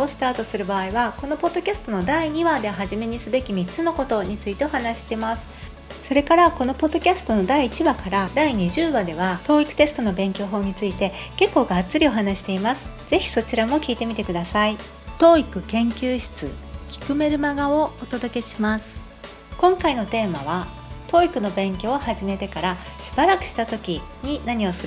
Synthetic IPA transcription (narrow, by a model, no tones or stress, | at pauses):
osɨ̥t̪aːt̪o̞sɨɾɯ̟baːiβako̞no̞po̞d̪ːo̞kʲasɨ̥t̪o̞no̞d̪aiɲ̟iβad̪e̞ɦaʑime̞ɲ̟isɨbe̞kʲimʲit͡sɨnoko̞t̪o̞ɲ̟it͡sɨit̪e̞o̞hanaɕi̥t̪e̞masɨ̥ | so̞ɾe̞kaɾako̞no̞po̞d̪ːo̞kʲasɨ̥t̪o̞no̞d̪aiːt͡ɕiβakaɾad̪aiɲ̟iʑɨːβad̪e̞βat̪o̞ːikɯ̟̥t̪e̞sɨ̥t̪o̞no̞bẽ̞ŋkʲo̞ːɦo̞ːɲ̟it͡sɨit̪e̞ke̞kːo̞ːɡaːt͡sɨɾʲio̞ɦanaɕi̥t̪e̞imasɨ̥ | z̥e̞çi̥so̞t͡ɕiɾamo̞kʲiːt̪e̞mʲit̪e̞kɯ̟d̪asai | t̪o̞ːikɯ̟kẽ̞ŋkʲɨːɕi̥t͡sɨ̰kʲi̥kɯ̟me̞ɾɯ̟maɡao̞ːt̪o̞d̪o̞ke̞ɕimasɨ̥ | kõ̞ŋkaino̞t̪e̞ːmaβa | t̪o̞ːikɯ̟no̞bẽ̞ŋkʲo̞ːhaʑime̞t̪e̞kaɾaɕi̥baɾakɯ̟̥ɕi̥t̪at̪o̞kʲiɲ̟inaɲ̟io̞sɨɾɯ